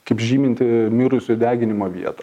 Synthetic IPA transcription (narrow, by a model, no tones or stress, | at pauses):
kɐɪpʒʲiːmʲɪnʲt̪ʲɪmʲɪɾʊsʲʊd̪ʲæːɡʲɪnʲɪmoːʋʲḭɛt̪ɐ